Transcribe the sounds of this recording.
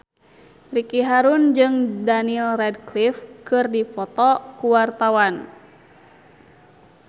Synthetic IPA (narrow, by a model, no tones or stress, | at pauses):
rikiɦaɾund͡ʒɨŋdanilrɛdklifkɨrdifɔt̪ɔkuwart̪awan